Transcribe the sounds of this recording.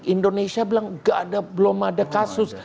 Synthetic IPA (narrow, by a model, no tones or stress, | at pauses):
ʔindonesiabilaŋɡaʔadabəlɔmadakasʊs